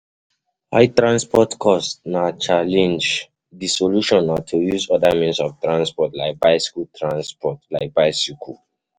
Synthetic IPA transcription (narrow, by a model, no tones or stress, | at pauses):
haɪtɹãnspɔtkʰɔstnat͡ʃalɛ̃nd͡ʒ | disoluʃɔ̃natʰujuzɔdamĩnsɔftɹãnspɔtlaɪk̚baɪskultʰɹãnspɔtlaɪk̚baɪsikʰu